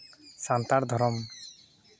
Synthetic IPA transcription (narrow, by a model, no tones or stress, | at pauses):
sant̪aɾd̪ʱɔɾɔm